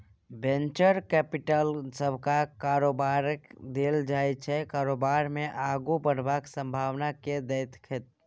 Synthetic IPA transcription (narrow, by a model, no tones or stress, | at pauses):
bẽnt͡ʃəɾkɛpiʈəlsəbʱkakaːɾoːbaɾkd̪eːld͡ʒaːjt͡ʃʰɛkaːɾoːbaːɾmẽʔaɡubəɽ̤baksə̃mbʱaːʋnaked̪əɪt̪ʰkʰɪt̪